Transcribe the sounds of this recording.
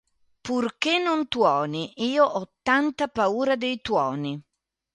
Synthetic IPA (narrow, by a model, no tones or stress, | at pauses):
purkenːont̪wɔːniʔiːoʔɔt̪ːant̪apauːɾad̪ejt̪wɔːni